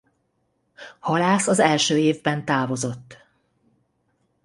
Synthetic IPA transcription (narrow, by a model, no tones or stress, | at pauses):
hɒlaːsɒzɛlʃøːeːvbɛnt̪aːvo̞zo̞t̪ː